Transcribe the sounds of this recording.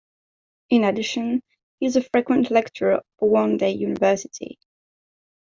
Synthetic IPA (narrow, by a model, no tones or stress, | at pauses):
ɪ̃nədɪʃə̃n | hiɪzəfɹikwə̃nʔlɛk̚t͡ʃəɹʌvəwɔ̃ndeɪjʉːnɪvɜˑ˞sɪtʰḭ